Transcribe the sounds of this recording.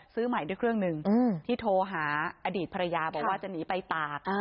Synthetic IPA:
sɯː˦˥ma˨˩˦jdu˥˩˨jkʰɾɯ˥˩əŋnɯ˨˩ŋ˧t̪ʰiː˥˩t̪ʰoː˧ɦaː˩˦ʔa˧diː˨˩t̪̚pʰɾa˧jaː˧bɔː˨˩waː˥˩t͡ɕa˨˩niː˩˦˥pa˧jt̪aː˨˩k̚

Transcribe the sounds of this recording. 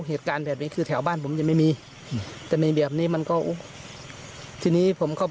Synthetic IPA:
ɦeː˨˩t̪̚kaː˨˧nbɛː˨˩p̚niː˧˦kʰɯː˧t̪ʰɛː˩˦wbaː˥˩˨npʰo˩˦mt͡ɕa˧˨ma˥˩jmiː˧ | t̪ɛː˨˩na˧˩jbi˨˩əp̚niː˧˥˨ma˧˥˨nkɔː˧˥˩ʔu˧˥˩ | t̪ʰiː˧niː˧˥˩pʰo˩˦mkʰa˧˩˨

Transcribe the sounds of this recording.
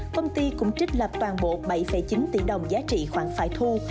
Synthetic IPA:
kə˧wŋ͡mt̪i˧kʊ̰˧˥ŋ͡mt͡ɕi˦˥k̟̚lə˨˩p̚t̪waː˨˩nɓo̰˧˨ɓə˧˩jfə̰˧˩jt͡ɕi˨˦nt̪ḭ˧˩ɗə˨˩wŋ͡mzaː˨˦t͡ɕḭ˧˨xwaː˧˩ŋfa̰ː˧˩jt̪ʰu˧

